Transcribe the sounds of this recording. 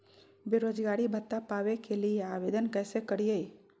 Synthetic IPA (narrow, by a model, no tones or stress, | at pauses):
beɾoːd͡ʒɡaːɽibʱət̪ːapaːʋekelieaʋeːd̪ənkɛːsekəɽije